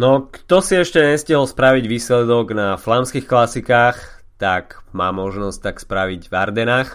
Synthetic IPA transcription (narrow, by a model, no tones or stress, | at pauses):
nɔkt̪ɔsiɛʃcɛɲɛsciɦɔlspɾaʋiɟʋiːslɛd̪ɔɡnaflamskixklasikaːx | t̪akmaːmɔʒnɔsc̚t̪akspɾaʋiɟvaɾd̪ɛnaːx